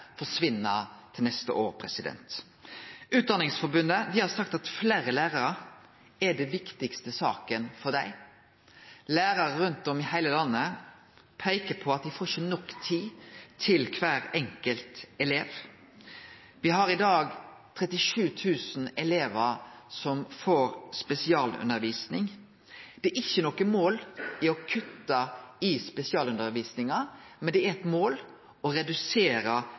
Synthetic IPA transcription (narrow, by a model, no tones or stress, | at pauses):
fɔʂʋɪnːət̪ʰɪlnɛst̪ə̰ʔoːɾpʰɾɛsɪd̪ɛ̰nt̪ | ʉːt̪̚d̪ɑnɪŋsfɔbʉnd̪əd̪ɪhɑɾsɑkt̪ɑt̪fleːɾəlæːɾɑɾə | ɛɖɛʋɪkt̪ɪkst̪əsɑ̰ːkənfɔd̪æɪ | læːɾɑɾəɾʉnt̪ɔmɪhæɪləlɑnːə | pʰæɪkəpʰɔɑt̪̚d̪ɪfoːʃənɔkːt̪ʰiːt̪ʰɪlkʰʋæːɾɛŋkəlt̪ɛleːʋ | ʋɪɦɑɾɪd̪ɑːɡt̪ʰɾɛt̪ɪʂʉːt̪ʰʉːsn̩ɛleːʋəɾsɔmfoːɾspɛsɪɑːlʉ̰nəɾʋiːsnɪŋ | d̪̥ɛʔɪçːənɔkəmoːlɪɔkʰʉt̪ːɑɪspɛsɪɑːlʉnd̪əɾʋiːsnɪŋɑ | mɛnd̪ɛæɛt̪moːl | ɔɾɛd̪ʉseːɾə